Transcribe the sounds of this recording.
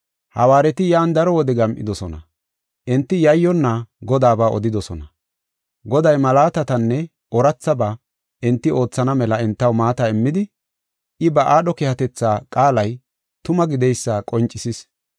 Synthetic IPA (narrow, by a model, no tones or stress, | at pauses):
hɐwaːɾɛt̪ɪjaːnd̪ɐɾɔwɔd̪ɛɡɐmʔɪ̰d̪ɔsɔnɐ̰ | ʔɪnt̪ːɪjɐjːɔnːaɡɔd̪aːbaːʔɔ̰d̪ɪd̪ɔsɔnɐ | ɡɔd̪ɐjmɐlaːt̪ɐt̪ɐnːɛ | ʔɔɾɐt͡sːɐba | ʔɪnt̪ːɪo̞ːt͡sːɐnɐmɛlɐɛnt̪ːɐwmaːt̪ɐɪmːɪd̪ɪ | ʔɪbɐʔaːɗɔkɛhɐt̪ɛt͡sːaːkʼaːlɐj | t̪ʊmɐɡɪd̪ɛjsːakʼɔnt͡ʃʼːɪsɪs